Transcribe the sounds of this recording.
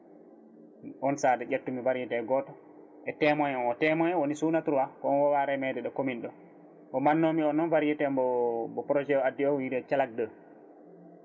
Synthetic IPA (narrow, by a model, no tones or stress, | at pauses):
ʔɔnsaːdɛɟetːumivaɾjɛtɛɡɔːtɔ | ʔɛtɛːmɔjɔnɔtɛmɔjɛwonisunatuɾuwakɔɔnwɔwaɾɛmɛdɛɗɔkominɗɔ | kɔmanːomiɔnːɔnvaɾjɛtɛmbɔbɔpɾɔd͡ʒɛɔadiɔwidɛt͡ʃalak̚də